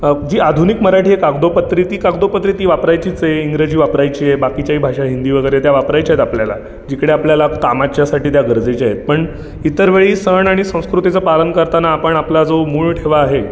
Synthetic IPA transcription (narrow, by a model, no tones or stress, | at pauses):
d͡ʑiːad̪ʱunikməɾaʈʰiːɦekaɡd̪opət̪ɾiːt̪iːkaɡd̪opət̪ɾiːt̪iːʋapɾajt͡ɕiːt͡sjeiŋɡɾed͡ʑiːʋapɾajt͡ɕiːjebakit͡ɕjaɦiːbʱaʂaɦind̪iːʋəɡəjɾet̪jaʋapɾajt͡ɕaɦet̪apljala̰ | d͡ʑikɽeapljalakamat͡ɕjasaʈiːt̪jaɡəɾd͡zet͡ɕaɦet̪̚pəɳ | it̪əɾʋeɭiːsəɳaɽ̃isə̃w̃skɾut̪it͡səpalənkəɾt̪anaːpəɳaplad͡zomuɭʈʰeʋaːɦe